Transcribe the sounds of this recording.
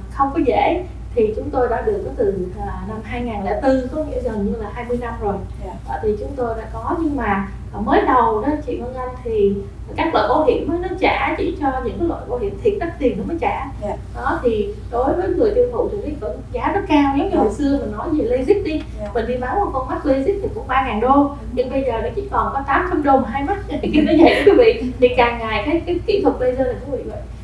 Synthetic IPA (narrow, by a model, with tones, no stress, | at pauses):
xə˧wŋ͡mkɔ˨˦zḛ˧˥˨ | t̪ʰi˨˩t͡ɕʊ˨˦ŋ͡mt̪o˧jɗa̰ː˧˥ɗɨ˨˩ək̚ːt̪ɨː˨˩˨na˧mɦaː˧jŋaː˨˩nlɛ̰˧˥˩t̪ɨ˧kɔ˨˦ŋḭ˧˥əzəː˨˩ɲɨ˧laː˨˩haː˧jmɨ˧jna˧mzo˨˩j | ə̰ː˨˩t̪ʰi˨˩t͡ɕʊ˨˦ŋ͡mt̪o˧jɗa̰ː˧˥kɔ˨˦ɲɨ˧ŋmaː˨˩˨ | məː˨˦jɗə˨˩wɗɔ˨˦t͡ɕḭ˧˨hə˧ŋza˧nt̪ʰi˨˩˨ | kaː˦˥k̚lwa̰ː˧˨kɔ˨˦ɦḭ˧˩˨əmːəː˨˦jnɔ˨˦t͡ɕa̰ː˧˩t͡ɕḭ˧˩t͡ɕɔ˧ɲɨ̰˧˥ŋka˨˦lwa̰ː˧˨jko˧˦ɦḭ˧˩əmt̪ʰi˨˩ət̚ɗa˦˥k̚t̪i˨˩nkə˨˧˦məː˨˦jt͡ɕa̰ː˧˩ | ɗɔ˨˦t̪ʰi˨˩ɗo˨˦jvəː˨˦jŋɨ˨˩əjt̪i˧əwt̪ṵ˧˨t̪ʰi˨˩ni˧˩və̰˧˥˩nzaː˨˦zə˦˥t̚kaː˧wɲɛ˨˦mɲ˧˦ho̰˨jsɨ˧əmï˨˩ŋnɔ˨˦jzi˨˩lə˧zi˦˥t̚ɗi˧ | mï˨˩ŋ̟ɗi˧ɓaː˨˦wɔ˨˧˩kə˧wnma˦˥k̚lə˧jzi˦˥t̚t̪i˨˩kʊ̰˧˥ŋ͡mɓaː˧ŋaː˨˩nɗo˧ | ɲɨ˧ŋɓə˧jzəː˨˩ɗɔ˨˦t͡ɕḭ˧˨kɔ˨˩nkɔ˨˦t̪aː˨˦mxə˧mɗo˨˩m˨˩ɦaː˧jmə˦˥t̚ːki˧t̪əː˨˦jzə̰˨˩jɗkwi˨˦vḭ˧˨t̪ʰi˨˩kaː˨˩ŋŋaː˨˩jkaː˨˦jkaː˨˦jki˧˩t̪ʰwə˨˩k̚lə˧jzəː˧laː˨˩kwvḭ˧˨və̰˧˨j